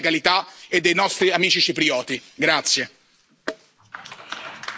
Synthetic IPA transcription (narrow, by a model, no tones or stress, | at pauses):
kalit̪aed̪ːejnɔst̪ɾiamiːt͡ʃit͡ʃipɾiɔːt̪iɡɾat̪sːje